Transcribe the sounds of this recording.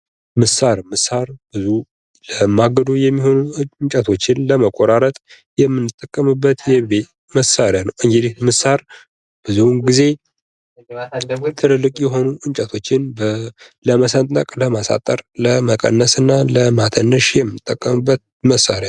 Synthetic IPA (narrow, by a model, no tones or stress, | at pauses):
mɨsaɾmɨsaɾb̥ɨzu | ləmaɡəd̪ujɛmːiho̞nuɨɲt͡ʃʼət̪ʰo̞t͡ʃːɪnləməkʼoɾaɾət̪ʼ | jɛmːɨnːɨt̪ʼːəkʼːəmɨbːət̪jɛbet̪ | məsaɾjanəwʔɨŋɡid̪it̪mɨsaɾ | b̥ɨzuɡize̞ | t̪ʰɨlɨlːɨkʼjɛɦo̞nuʔɨɲt͡ʃʼət̪ʰo̞t͡ʃːɪnb | ləməsənt̪ʼnəkʼləmasa̰t̪ʼəɾləməkʼə̰nːəsɨnːaləmat̪ʰənːəʃjɛmːɨnɨt̪ʼːəkʼːəmɨbːət̪̚ | məsaɾja